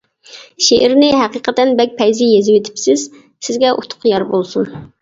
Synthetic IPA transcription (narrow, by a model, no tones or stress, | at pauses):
ʃeʔɪɾnɪɦæqiqət̪ɛnbɛk̚ʲpʰɛjzɪjezɪwet̪ʰɪ̥psɪz̥ | sɪzɡʲɛʔut̪ʰʊ̥qjɑɾbolˠsun